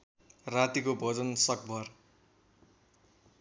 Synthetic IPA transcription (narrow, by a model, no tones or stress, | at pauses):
rat̪ikobʌd͡zʌnsʌk̚bʱʌr